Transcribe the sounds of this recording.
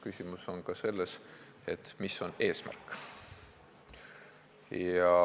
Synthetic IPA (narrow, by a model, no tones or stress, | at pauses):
kysʲimuso̞nkɑse̞lːes | e̞t̪miso̞ne̞ːsmæ̰rkːˑ | jɑ